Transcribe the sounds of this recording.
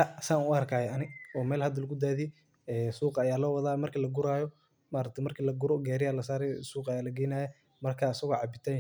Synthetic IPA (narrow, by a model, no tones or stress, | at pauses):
ɐsaːnʊɐrkʰaːjɛʔɐnɪɔːmɛːlhɐd̪ɐlɐɣʊd̪aːði | ɛːsuːqɐjaːlɔːwɐðaːmɐrkʰiːlɐɡʊɾaːjɔ | maːɾɐk̚t̪ʰɛmɐrkʰiːlɐɡʊɾɔɡɛːɾɪjaːlɐsaːɾɛjsuːqɐjaːlɐɡɛjnaːjɛ | mɐrkʰaːsɐɣɔːʕɑbɪt̪ʰaː